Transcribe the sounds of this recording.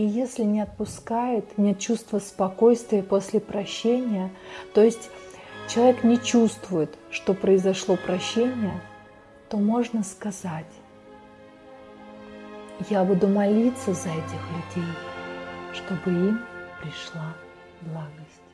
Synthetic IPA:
ijesʲlʲɪnʲɪɐt̪̚pʊskajʊt̪nʲet̪t͡ɕust̪vəspɐko̞jst̪vʲɪjəpo̞sʲlʲɪpɾɐɕːenʲɪjət̪o̞ɪsʲtʲt͡ɕɪlˠɐvʲeknʲɪt͡ɕust̪vʊjɪt̪ʂt̪o̞pɾəɪzɐʂlˠo̞pɾɐɕːenʲɪjə | t̪o̞mo̞ʐnəskɐzatʲ | jabud̪ʊmɐlʲit̪səzɐɛtʲɪxlʲʉdʲej | ʂt̪o̞bɨimpɾʲɪʂlˠa | blˠaɡəsʲtʲ

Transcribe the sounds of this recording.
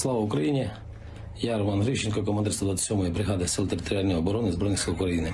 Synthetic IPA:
slˠɑʋɐukɾɐjinʲi | jɑɾɔmɑnɦɾiʃt͡ʃːɪnʲkɔkɔmɐnd̪ɪɾsɔd̪ʋɑt̪t͡s̪ʲɪ̥sʲɔmɔjɔbɾɪɦɑd̪ɪsɪlˠt̪eɾɪt̪ɔɾʲɪɑlʲnʲɔjɔbɔɾɔnɪzbɾɔjnʲisɪlˠukɾɐjinɪ

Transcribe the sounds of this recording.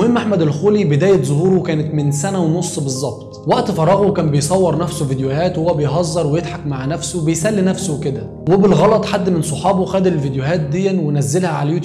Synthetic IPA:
hemːʔaħmæd̪ælxuːlibed̪æːjæt̪zˤohuːɾokæːnæt̪mɪnsænæwnosˤːbezˤːɑb̚t̪ˤwæʔt̪fɑɾˤːɑɣokæːnbejsˤɑwːɑɾˤnæfsovid̪jʊhæːt̪howːæbejɦɑzˤːɑɾˤwejed̪ħɑkmaʕnæfsobejsælːinæfsowked̪æ | webelɣɑlɑt̪ˤħad̪ːmensˤoħɑːboxæːd̪ilvid̪jʊɦæːt̪̚d̪ejːænwenæzːelhæʕalæjt̪

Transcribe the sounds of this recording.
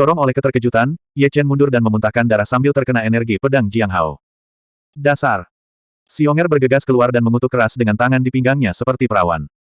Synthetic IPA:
dɔɾɔŋolɛhkət̪ərkəd͡ʒut̪anijat͡ʃɛnmundʊrdanməmunt̪ahkandaɾahsambilt̪ərkənaenɛrɡipədaŋd͡ʒiaŋɦa̰w | dasar | siɔŋɛrbərɡəɡaskəluardanməmut̪ukəɾasdəŋant̪aŋandipiŋɡaŋɲasəpərt̪ipəɾawa̰n

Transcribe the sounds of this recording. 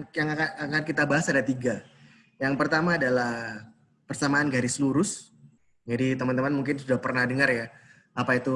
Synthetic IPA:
jaŋakaakankit̪abaɦasadat̪iɡa | jaŋpərt̪amaːdalah | pərsamaːnɡaɾisluɾʊs | d͡ʒadit̪əmant̪əmanmuŋk̬ɪnsudahpərnahdəŋərja | apait̪u

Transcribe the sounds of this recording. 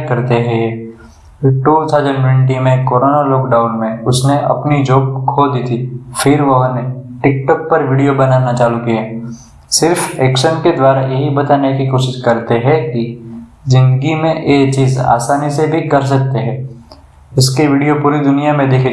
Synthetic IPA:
kɐɾt̪eɦɛ̃ | ʈuːt̪ʰaʊzənʈwɛ̃ɳʈ̬imẽkoːɾoːnalɔːkɖaːʊnmẽʊsneʔɐ̰pnid͡ʒoːb̚kʰod̪iːt̪ʰifɪɾʋɐɦneʈɪkʈɔːk̚pɐɾʋiːɖijobɐnaːnat͡ʃaːlukia | sɪɾfɛːkʃənked̪ʋaːɾajɐɦibɐt̪aːnekikoːʃɪʃkɐɾt̪eɦɛ̃kizɪ̃nd̪əɡimẽʔet͡ʃiːza̰ːsaːnisebʱikɐɾs̬ɐk̚t̪eɦɛ̃ː | ʊskiʋiːɖijopuːɾid̪ʊnijamẽd̪eːkʰ

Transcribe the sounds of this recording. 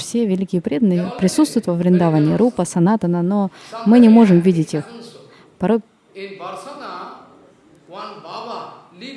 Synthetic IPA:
fsʲe̞vʲɪlʲikʲɪjəpɾʲe̞d̪ənɨjəpɾʲɪsut̪st̪vʊjt̪vəvɾʲɪnd̪ɐavanʲɪːɾupəsɐnat̪ənəno̞mɨnʲɪmo̞ʐɨmvʲidʲɪtʲix | pɐɾo̞j

